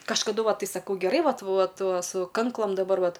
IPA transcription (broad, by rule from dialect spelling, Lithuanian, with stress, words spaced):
kɐʃkɐˈdʊ ˈʋɐ ˈtɐɪ sɐˈkɐʊ ɡʲɛˈrɐɪ ˈʋɐt ˈʋɐt ˈʋɐ sʊ ˈkɐŋklˠɐm dɐˈbɐr ˈʋɐt